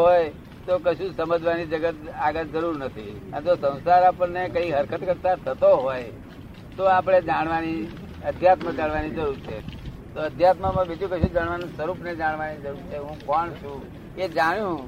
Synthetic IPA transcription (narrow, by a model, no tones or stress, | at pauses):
ɦoj | t̪okəʃũsəməd͡ʒʋanid͡ʒəɡət̪aɡəd͡ʒəɾuɾnət̪ʰḭənt̪osə̃w̃saɾapənekəiɦəɾkʰət̪kəɾt̪at̪ʰət̪oɦoj | t̪oapɽ̃ed͡ʒaɳ̃ʋani | əd̪ʱjat̪mə̃d͡ʒaɳʋanid͡ʒəɾuɾt͡ʃʰḛ | t̪oəd̪ʱjat̪məmə̃bid͡ʒũkəʃũd͡ʒaɽ̃ʋanũsəɾupned͡ʒaɳʋanid͡ʒəɾuɾt͡ʃʰeɦũkəɳʃũ | ed͡ʒaɽ̃jũ